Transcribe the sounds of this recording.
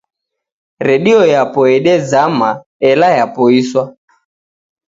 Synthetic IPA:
ɾɛɗiɔjapɔɛɗɛd͡zama | ɛlajapɔiswa

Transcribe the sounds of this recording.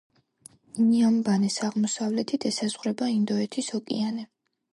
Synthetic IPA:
niambanɛsaʁmɔsavlɛt̪ʰid̪ʰɛsazʁɾɛbaind̪ɔɛt̪ʰisɔkʼianɛ

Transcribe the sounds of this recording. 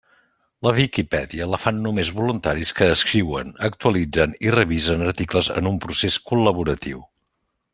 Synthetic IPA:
ləβikipɛðiələfanːumezβulunt̪aɾiskəːskɾiwənək̚t̪uəlid͡zənirəβizənəɾt̪ikləzə̰numpɾuseskuləβuɾət̪iw

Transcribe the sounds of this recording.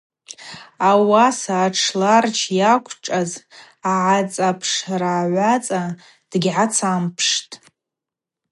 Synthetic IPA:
awasaːʈ͡ʂʰlart͡ʃʰjakʷʰʼʈ͡ʂʼaz | aʕat͡sʼapʰʂaraːʕʷat͡sʼa | d̥ɡʲʕat͡sʰampʰʂtʼ

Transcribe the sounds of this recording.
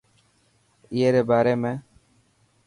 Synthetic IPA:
ɪjeːɾeːbaːɾeːmẽː

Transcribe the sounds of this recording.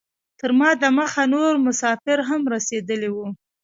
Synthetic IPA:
t̪əɾmɑd̪əməxanoɾmʊsɑfɪɾɦamɾased̪əliwu

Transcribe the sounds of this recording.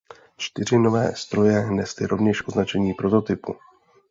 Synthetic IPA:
t͡ʃt̪ɪr̝ɪno̞vɛːst̪ɾo̞jɛnɛst̪ɪɾo̞vɲɛʃʔo̞znat͡ʃɛɲiːpɾo̞t̪o̞t̪ɪpu

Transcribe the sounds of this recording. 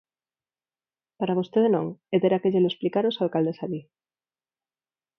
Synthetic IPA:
paɾaβ̞o̞st̪eðenõŋed̪eɾakeʝeloesplikaɾosalkald̪esaβi

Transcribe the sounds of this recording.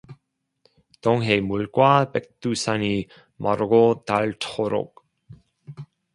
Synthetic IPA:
t̪oŋɦejmulkwapɛk̚t̪usani | mʔaɾoɡot̪altʰχoɾo̰k̚

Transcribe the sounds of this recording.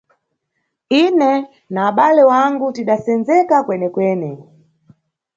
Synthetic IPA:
inɛ | naːɓalɛwaŋɡutiɗasɛnzɛkakwɛnɛkwɛːnɛ

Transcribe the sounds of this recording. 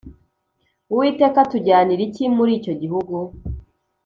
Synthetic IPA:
uwiːte̞ːkatuɟaːniɾicimuɾiːco̞ɟihuɡu

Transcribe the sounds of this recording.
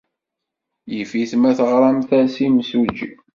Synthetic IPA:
jəfiθmæθəʁɾˤɑmθæsimsud͡ʒ

